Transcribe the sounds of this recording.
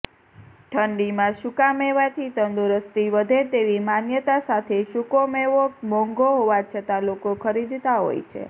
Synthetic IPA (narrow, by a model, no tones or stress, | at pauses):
ʈʰəɳɖimãʃukameʋat̪ʰit̪ənd̪uɾəst̪iʋəd̪ʱet̪eʋimanjət̪asat̪ʰeʃukomeʋomɔ̃ŋɡoɦoʋat͡ʃʰət̪alokokʰəɾid̪t̪aɦo̰jt͡ʃʰḛ